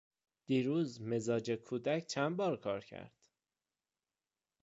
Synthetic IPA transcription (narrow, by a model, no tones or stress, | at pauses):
d̪̥iːɾuːzmezɒːd͡ʒekʰuːd̪æcʰt͡ʃʰænbɒːɾkʰɒːɾcʰæ̰ɾd̪̥